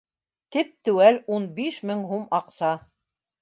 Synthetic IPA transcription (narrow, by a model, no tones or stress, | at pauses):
t̪ip̚t̪ʉwælunbiʃmɘŋɦumɑqsɑ